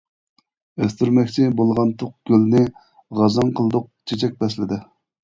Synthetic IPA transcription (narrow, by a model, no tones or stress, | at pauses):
øst̪yɾmɛkʲt͡ʃʰɪbolˠʁɑnt̪ʰʊq̚ɡ̥ʲølnɪ | ʁɑzɑŋqʰəlˠd̪ʊq̚t͡ʃʰet͡ʃʰɛk̚ʲbɛslɪd̪ɪ